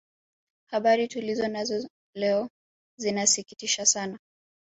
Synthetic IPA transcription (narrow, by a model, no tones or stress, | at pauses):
haɓaɾitulizɔnazɔ | lɛɔ | zinasikitiʃasana